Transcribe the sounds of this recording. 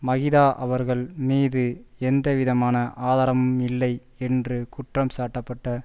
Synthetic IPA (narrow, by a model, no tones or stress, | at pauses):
mɐɣɪðaːʔɐʋɐɾɣɐɭmiːðɯɛnd̪ɐʋɪðɐmaːnɐʔʔaːðaːɾɐmɯmɪlːɐɪ | ɛndrɯkʊʈrɐmsaːʈːɐpːɐʈːɐ